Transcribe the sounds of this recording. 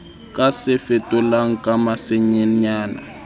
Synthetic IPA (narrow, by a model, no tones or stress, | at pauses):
kʼasɛfɛtʼɔlaŋ̩kʼamasɛɲɛɲaːna